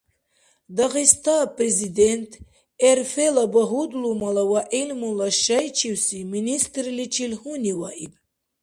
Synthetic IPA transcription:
d̪aʁist̪ʰaprezid̪ent̪ʰ | ɛɾfelabɐɦud̪lumalawaʔilmulaʃɐjt͡ʃʰiwsiminist̪rlit͡ʃʰilhuniwaʔib

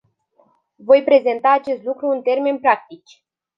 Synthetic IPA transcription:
vo̞jpɾe̞ze̞nt̪aːt͡ʃe̞st̪lukɾuɨnt̪e̞rme̞npɾak̚t̪it͡ʃʲ

